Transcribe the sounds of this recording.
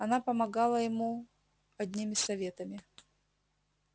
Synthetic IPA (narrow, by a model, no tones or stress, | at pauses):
ɐnapəmɐɡalˠəjɪmu | ɐd̪ʲnʲimʲɪsɐvʲe̞t̪əmʲɪ